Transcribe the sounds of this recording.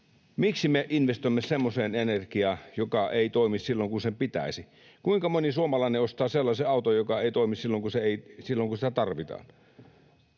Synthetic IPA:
miksimeʔinʋest̪oimːesemːoseːnenerkiɑːjokɑeit̪oimissilːoŋkunsempit̪æ̰isi | kuiŋkɑmonisuomɑlɑˑineost̪ɑːselːɑseɑˑut̪ojokɑeˑit̪oimissilːoŋkuseeˑisilːoŋkunsi̥t̪æt̪ɑrʋit̪ɑ̰ːn

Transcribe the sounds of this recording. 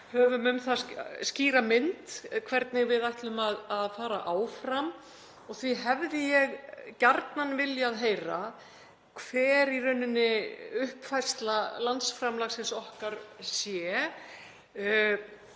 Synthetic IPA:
hœːvʏmʏmθasciːɾamɪnt̪kʰvɛɾt̪nɪɣvɪðajht̪lʏmaðaðfaːɾa̰ʔaːwfɾam | ɔɣθviɦɛvðɪjɛɣcaɾt̪nanvɪljaːðɦeːjra | kʰv̥ɛːɾirœnːɪnːɪʏhpfajr̥st̪lalant̪sfɾamlaxsɪnsɔhkaɾsjɛ

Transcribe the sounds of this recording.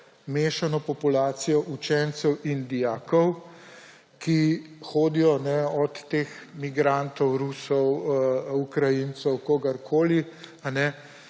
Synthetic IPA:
meːʃanɔpɔpulaːsijɔʔut͡ʃɛnt̪sɛwind̪ijaːkɔw | kixoːd̪ijɔnɛɔt̪ːeːxmiɡɾant̪ɔwɾusɔwukɾajint̪sɔwkoːɡaɾkʰoːlianɛ

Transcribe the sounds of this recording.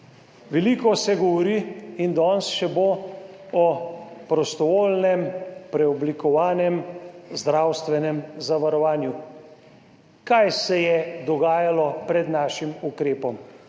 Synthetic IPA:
ʋɛliːkɔsɛɡɔʋɔɾiind̪ɔnsʃɛbo | ɔpɾɔst̪ɔʋoːlnɛmpɾɛɔblikɔʋaːnɛmzd̪ɾawst̪ʋɛnɛmzaʋaɾɔʋaːnju | kajsɛjɛd̪ɔɡaːjalɔpɾɛd̪naːʃimukɾeːpɔm

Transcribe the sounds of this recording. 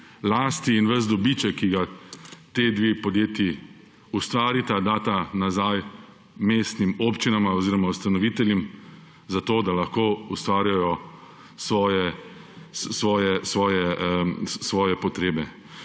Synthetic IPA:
laːst̪iːnʋəzd̪ɔbit͡ʃɛkːiɡat̪eːd̪ʋeːpɔd̪jeːt̪ji | ust̪ʋaːɾit̪ad̪aːt̪anazaj | meːst̪nimoːpt͡ʃinamaɔziːɾɔmaust̪anɔʋit̪ɛljim | zat̪oːd̪alaxkoːust̪ʋaːɾjajɔ | sʋɔːjɛ | ssʋɔːjɛsʋɔːjɛ | sʋɔːjɛpɔt̪ɾeːbɛ

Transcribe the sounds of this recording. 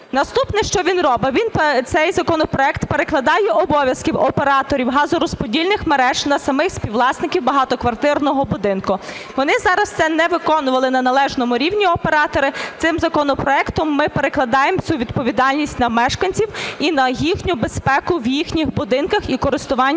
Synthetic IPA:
nɐst̪upnɛʃt͡ʃɔʋʲinrɔbɪʋʲinpt̪sɛjzɐkɔnɔpɾɔɛkt̪peɾeklˠɐd̪ɑjɛʔɔbɔʋʲjɐskiwɔpeɾɑt̪ɔɾʲiwɦɑzʊɾɔspɔdʲilʲnɪxmeɾɛʒnɐsɐmɪxsʲpʲiwlˠɑsnɪkʲiwbɐɦɑt̪ɔkʋɐrt̪ɪrnɔɦɔbʊd̪ɪnkʊ | ʋɔnɪzɑɾɐst̪sɛnɛʋɪkɔnʊʋɐlˠɪnɐnɐlˠɛʒnɔmʊɾʲiwnʲiɔpeɾɑt̪ɔɾɪt̪sɪmzɐkɔnɔpɾɔɛkt̪ɔmːɪpeɾeklˠɐd̪ɑjemt͡sʲuʋʲid̪pɔʋʲid̪ɑlʲnʲisʲtʲnɐmɛʃkɐnʲt͡sʲiwinɐjixnʲʊbespɛkʊʋjixnʲixbʊd̪ɪnkɐxikɔɾɪst̪ʊʋɑnʲː

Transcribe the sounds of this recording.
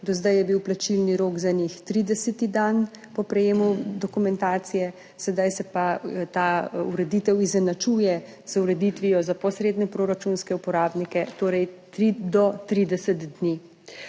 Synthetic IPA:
d̪ɔzd̪ajɛbiwplat͡ʃilniɾoːɡzanixt̪ɾid̪ɛsɛt̪id̪an | pɔpɾɛjeːmud̪ɔkumɛnt̪aːt̪sijɛ | sɛd̪ajsɛpat̪auɾɛd̪iːt̪ɛwizɛnat͡ʃuːjɛ | z̥uɾɛd̪it̪ʋijɔzapɔsɾeːd̪nɛpɾoːɾat͡ʃunskɛupɔɾaːbnikɛt̪oːɾɛjt̪ɾid̪ɔt̪ɾiːd̪ɛsɛt̪d̪ni

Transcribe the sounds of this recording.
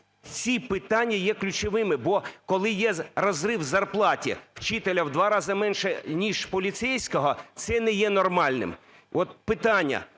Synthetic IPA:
t͡sʲipɪt̪ɑnʲːɐjɛklʲʊt͡ʃɔʋɪmɪbɔkɔlˠɪjɛrɔzrɪwzɐrplˠɑtʲḭw̥t͡ʃɪt̪elʲɐwd̪ʋɑɾɑzɐmɛnʃɛnʲiʒpɔlʲit̪sɛjsʲkɔɦɔt̪sɛnɛjɛnɔrmɑlʲnɪ̰m | ʔɔt̪̚pɪt̪ɑnʲːɐ̰

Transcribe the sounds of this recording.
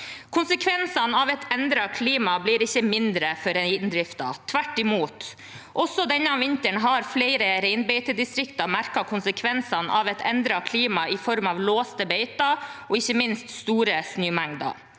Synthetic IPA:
kʰʊnsəkʰʋɛnsɑnɑːʋɛt̪ɛnd̪ɾɑkʰliːmɑbliːɾɪçːəmɪnd̪ɾəfɔɾɛnd̪ɾɪft̪ɑ̰t̪ʰʋæʈːɪmuːt̪ | ʔɔsːɔd̪ɛnːəɑʋɪnt̪əɳɦɑɾfleɪɾəɾɛɪnbɛɪt̪əd̪ɪst̪ɾɪkt̪ɑmæɾkɑkʰʊnsəkʰʋɛnsɑnʔɑ̰ːʋɛt̪ʰɛnd̪ɾɑkʰliːmɑɪfɔɾmɑʋloːst̪əbeɪt̪ɑɔɪçːəmɪnst̪st̪uːɾəsnyːmɛŋd̪ɑ̰

